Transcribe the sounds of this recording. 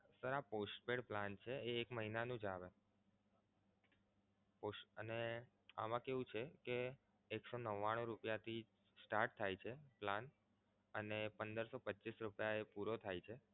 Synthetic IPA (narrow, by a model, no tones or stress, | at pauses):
səɾaposʈ̚peɽplant͡ʃʰeeːkməɦinanũd͡ʒaʋe | posəne | a̰mãkeʋũt͡ʃʰekeː | ksonəʋːaɽ̃ũɾupjat̪ʰi | sʈaɾʈ̚t̪ʰːajt͡ʃʰeplan | ənepənd̪əɾsopətːʃisɾupjaepuɾot̪ʰajt͡ʃʰe